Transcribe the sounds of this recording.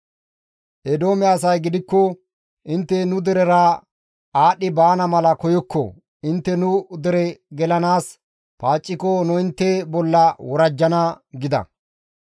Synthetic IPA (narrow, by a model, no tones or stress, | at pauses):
ʔɛd̪o̞ːmɛaːsɐjɡɪd̪ɪkːɔ | ʔɪnt̪ːɛnʊd̪ɛɾɛɾa | aːɗɪbaːnɐmɐlɐkɔjɔkːɔ̰ | ɪnt̪ːɛnʊd̪ɛɾɛɡɛlɐnaːs | paːt͡ʃʼːɪkɔnʊɪnt̪ːɛbɔlːɐwɔɾɐd͡ʒːɐnɐɡɪd̪ɐ̰